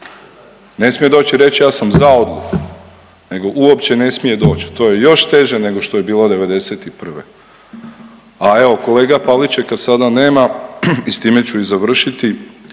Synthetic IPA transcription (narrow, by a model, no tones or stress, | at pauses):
ne̞smije̞d̪o̞ːt͡ɕiɾe̞t͡ɕjaːsamzaod̪lˠuku | ne̞ɡo̞ʔuo̞pt͡ɕe̞ne̞smije̞d̪o̞ːt͡ɕi̥t̪oje̞jo̞ʃt̪e̞ʒene̞ɡo̞ʃt̪oje̞biːlˠo̞d̪e̞ʋe̞d̪e̞set̪ipr̩ʋḛ | ae̞ʋo̞ko̞le̞ːɡapalit͡ʃe̞kasad̪ane̞ːmaist̪iːme̞t͡ɕuizaʋr̩ʃit̪i